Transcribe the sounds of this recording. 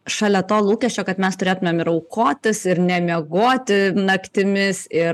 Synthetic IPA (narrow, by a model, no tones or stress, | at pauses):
ʃɑːlʲɛt̪oːlˠuːkʲɛʃʲt͡ʃʲoːkɐt̪mʲɛst̪ʊɾʲeːt̪ʊmʲeːmɪɾɐʊkoːt̪ʲɪsɪɾnʲɛmʲeɛɡoːt̪ʲɪnɐkt̪ʲɪmʲɪsɪ